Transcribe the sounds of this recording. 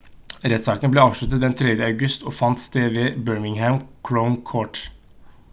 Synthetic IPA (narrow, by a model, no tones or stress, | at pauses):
ɾɛt̪sɑːkənbleːɑːʋʂɭʉt̪ət̪̚d̪ɛnt̪ʰɾɛd̪jəɑʉɡʉst̪oːfɑnt̪st̪eːʋeːbøːɹmɪŋhæmkʰɹoʊnkʰoːʈ